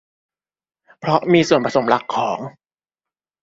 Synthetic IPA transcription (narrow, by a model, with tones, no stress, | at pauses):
pʰɾɔ˦˥miː˧su˨˩ənpɾa˧sʰo˩˦mla˦˥kʰːɔː˩˦ŋ